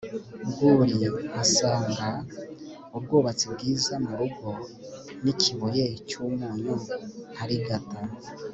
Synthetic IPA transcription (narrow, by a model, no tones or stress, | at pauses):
ɡuɾiasaːŋɡa | ub̚ɡoːβat͡sibɡiːzamuɾuɡo | nicʰiβojet͡ʃumuːɲuhaɾiɡata